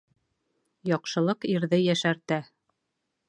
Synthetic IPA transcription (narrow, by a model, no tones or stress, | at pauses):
jɒqʃɤ̆lˠɤqiɾðɘjæʃæɾt̪æ